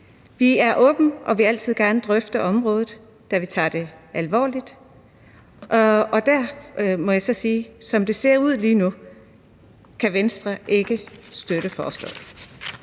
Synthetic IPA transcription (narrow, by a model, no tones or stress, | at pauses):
ʋiæɐʔɔ̽ːb̥n̩ʔɒ̽ʋe̝æl̰t͡sʰið̞̰ˠɡ̥æɐnəd̥ʁœfd̥əʔɒ̽mʁɔ̽ːð̞̩ˠ | d̥æʋit͡sʰɑ̰̈ːd̥e̝ælʋɒ̰ːlid̥ | ɒ̽d̥æɐmɒ̽jäsɒ̽siːsɒ̽md̥e̝se̝ɐ̰uð̞̰ˠliːnu | kʰæʋensd̥ʁɐʔe̝ɡ̥əsd̥øɾ̥əfɒːslɔ̰̽